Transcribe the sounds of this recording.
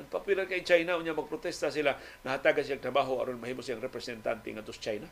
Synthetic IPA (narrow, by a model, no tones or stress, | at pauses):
ʔaŋpapilankait͡ʃajnaʔʊnɲamaɡ̚pɾot̪ɛst̪asila | nahat̪aɡansilaŋt̪ɾabaɦoa̰ɾonmahimosiaŋɾɛpɾɛsɛnt̪a̰nt̪ɛ̰ŋat̪ost͡ʃajna